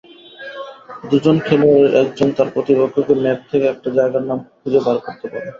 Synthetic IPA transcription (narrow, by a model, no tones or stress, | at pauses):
d̪ud͡ʑonkʰeloɛk̚d͡ʑont̪aɾpɾot̪ibokʰːokemɛp̚t̪ʰekeɛk̚ʈad͡ʑaeɡaɾnamkʰud͡ʑebaɾkoɾt̪epaɾe